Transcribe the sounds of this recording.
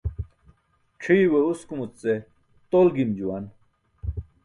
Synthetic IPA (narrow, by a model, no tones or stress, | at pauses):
ʈ͡ʂʰiːweuskumut͡st͡se | t̪olɡimd͡ʑuwan